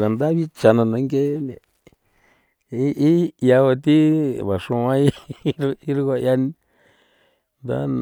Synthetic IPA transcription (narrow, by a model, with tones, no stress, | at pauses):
ka˨nd̪a˦βi˦t͡ʃa˧nã˧nã˧˦ŋɡe˦nḛ̃˨ | i˦ʔi˦ja˧o˧t̪i˦βa˨ʂũ˧ã˦i˦ | i˦ɾu˦ka˧ja˧n | nd̪a̰˦n